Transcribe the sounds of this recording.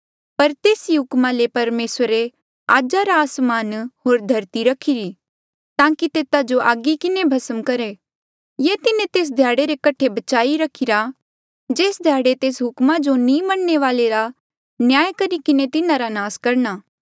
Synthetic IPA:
pɐɾt̪eːsiɦʊkmalepɐɾmeːsəɾe | aːd͡ʒaɾaːsmaːnɦoːɾd̪ʱɐɾt̪iɾɐkʰiɾi | t̪ãːkit̪eːt̪ad͡ʒoʔaːɡikɪnebʱɐsəmkɐɾe | jeːt̪ɪnẽt̪eːs̬d̪ʱjaːɽeɾekɐʈʰːebɐt͡ʃaːiɾɐkʰɪɾa | d͡ʒeːsd̪ʱjaːɽet̪eːsɦʊkmad͡ʒonĩmɐɽːeʋaːleɾa | njaːjkɐɾikɪnet̪ɪnãɾanaːskɐɾñaː

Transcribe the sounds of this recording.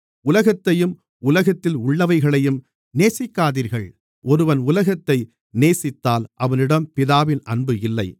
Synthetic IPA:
ʊlɐɣɐt̪ːɐjɯm | ʊlɐɣɐt̪ːɪlʊɭːɐʋɐɪɣɐɭɐjɯm | neːsɪkːaːðiːɾɣɐɭ | ʔɔɾɯʋɐnʊlɐɣɐt̪ːɐɪ | neːsɪt̪ːaːlʔɐʋɐnɪɽɐmpɪðaːʋɪnʔɐnbɯɪlːɐɪ

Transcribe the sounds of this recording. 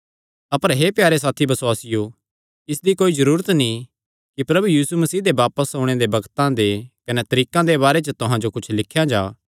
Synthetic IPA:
ɐpəɾɦepjaːɾes̬aːt̪ʰibɐsʊaːsɪjo | ɪsd̪ikoːizɐɾuːɾət̪nĩ | kipɾɐbujiːsumɐsiːd̪ebaːpəsõːɽ̃ed̪ebɐɡt̪ãd̪ekɐnɛt̪ɐɾiːkãd̪eβaːɾet͡ʃət̪ʊɦãd͡ʒokʊt͡ʃʰlɪkʰːjãd͡ʒaː

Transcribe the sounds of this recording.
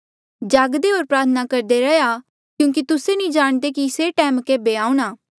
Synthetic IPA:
d͡ʒaːɡd̪eɦoːɾpɾaːɾt̪ʰənakɐɾd̪eɾɐja | kjũːk̬it̪ʊsenĩd͡ʒaːɽ̃d̪ekiseʈɛːmkeːbeaːũɽ̃aː

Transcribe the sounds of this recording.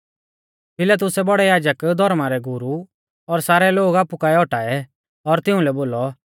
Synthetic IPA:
pɪlat̪̬ʊsɛbɔɽɛjaːd͡ʒəkd̪ʱɔɾmaɾɛɡʊɾu | ɔɾsaːɾɛloːɡaːpukaːɛɔʈaːɛ | ɔɾt̪ɪũlɛboːlɔ

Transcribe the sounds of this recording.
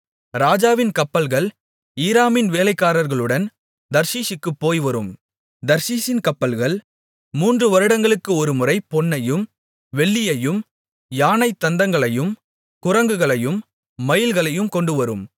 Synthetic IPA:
ɾaːd͡ʒaːʋɪnkɐpːɐlɣɐɭ | iːɾaːmɪnʋeːlɐɪkːaːɾɐɾɣɐɭɯɽɐn | d̪ɐɾsiːʃɪkːɯpːoːjʋɐɾɯm | d̪ɐɾsiːsɪnkɐpːɐlɣɐɭ | muːndrɯʋɐɾɯɽɐŋɡɐɭɯkːɯɔɾɯmʊrɐɪpɔnːɐjɯm | ʋɛɭːɪjɐjɯm | jaːnɐɪt̪ːɐnd̪ɐŋɡɐɭɐjɯm | kʊɾɐŋɡɯɣɐɭɐjɯmː | ɐjɪlɣɐɭɐjɯmkɔɳɖɯʋɐɾɯ̰m

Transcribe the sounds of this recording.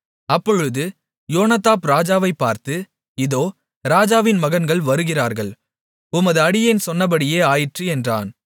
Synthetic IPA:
ɐpːɔɻɯðɯ | joːnɐt̪aːpɾaːd͡ʒaːʋɐɪpːaːɾt̪ɯ | ɪðoː | ɾaːd͡ʒaːʋɪnmɐɣɐnɡɐɭʋɐɾɯɣɪraːɾɣɐɭ | ʊmɐðɯɐɽɪjɐnsɔnːɐb̬ɐɽɪjeːaːjɪʈriɛndra̰ːn

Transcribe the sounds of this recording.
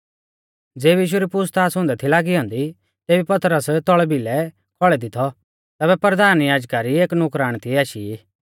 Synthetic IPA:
d͡zeːbjiːʃ̬uɾipʊst̪ʰaːsɦʊ̃nd̪ɛt̪ʰilaːɡiɦɔ̃ːnd̪i | t̪eːbipɐt̪ɾəst̪ɔɭbilɛ | kʰɔɭɛd̪ɪt̪ʰɔ | t̪ɛːβɛpɾɾəd̪aːnjaːd͡ʒkaɾieːknʊkɾaːɽ̃t̪ʰiaːʃii

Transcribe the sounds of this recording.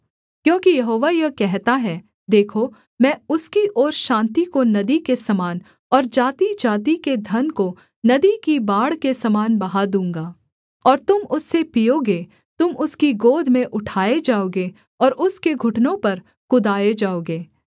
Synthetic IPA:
kjõːkijɐɦoːʋajɐkɛɦt̪aɦɛː | d̪eːkʰo | mɛ̃ːʊskiʔɔːɾʃãːnt̪ikonɐd̪ikesɐmaːn | ɔːɾd͡ʒaːt̪id͡ʒaːt̪̬iked̪ʱɐnko | nɐd̪ikibaːɽkesɐmaːnbɐɦad̪ũːŋ̆ɡaː | ɔːɾt̪ʊmʊsːepijoɡeː | t̪ʊmʊskiɡoːd̪ʱmẽʔʊʈʰaːed͡ʒaːoːɡe | ɔːɾʔʊskeɡʱʊʈnõpɐɾ | kʊd̪aːed͡ʒaːoːɡeː

